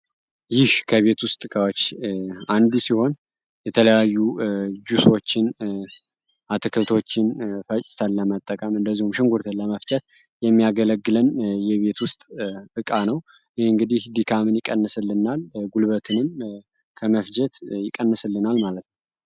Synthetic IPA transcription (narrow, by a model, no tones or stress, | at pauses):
jɪhkʰəβe̞t̪wʊst̪ʼɨkʼawot͡ʃːand̪usiho̞n | jɛt̪ʰələjajːud͡ʒuso̞t͡ʃːɪn | ʔat̪ʰɨkʰɨlt̪ʰo̞t͡ʃːɪnfət͡ʃʼɪ̥t̪ʰənləmət̪ʼːəkʼəmɨnd̪əzːihumʃɪŋɡuɾt̪ʰənləməft͡ʃʼət̪̚ | jɛmːijaɡələɡːɨlənjɛβe̞t̪wʊst̪ʼɨkʼanəw | jɪhɨŋɡɨd̪ihd̪ikʰamɨnjɪkʼːənːɨsɨlːɨnalɡulβət̪ʰɨnɨm | kʰəməfd͡ʒɛt̪jɪkʼənːɨsɨlːɨnalmalət̪nəw